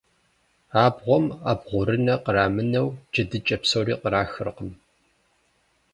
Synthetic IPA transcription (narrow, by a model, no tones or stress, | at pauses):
aːbʁʷɔma̰ːbʁʷʊɾɨnɐqəɾaːmɨnɐwd͡ʒɐdɨt͡ʃʼɐpsɐwɾiːqəɾaːxɨrqəm